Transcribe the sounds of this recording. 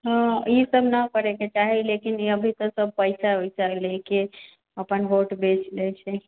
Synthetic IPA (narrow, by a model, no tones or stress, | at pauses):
ɦə̃isəbnəkəɾeket͡ʃaɦilekiniəbʱit̪ɔsəb̚pəjsaɦojsəɦleki | əpənboʈbet͡ʃlɛt͡ʃʰɛ